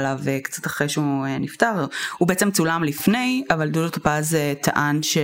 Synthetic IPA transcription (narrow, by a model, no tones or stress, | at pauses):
lavekt͡sḁt̪aχʁejʃeueniftaʁhubeet͡semt͡sulamlifne̞javaldudot̪apazetʰaʔanʃe